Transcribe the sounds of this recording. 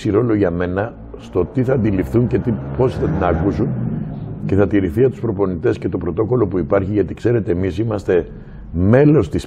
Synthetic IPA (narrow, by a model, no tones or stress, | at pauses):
siɾo̞lo̞ʝɐme̞nɐ | st̪o̞t̪iθɐːnd̪ilifθuɲce̞t̪ipo̞siθɐt̪inɐkusun | ce̞θɐt̪iɾiθiɐt̪uspɾo̞po̞nit̪e̞scet̪o̞pɾo̞t̪o̞ko̞lo̞puipɐɾçiʝɐt̪ikse̞ɾe̞t̪e̞ːmisimɐst̪e̞ | me̞lo̞st̪is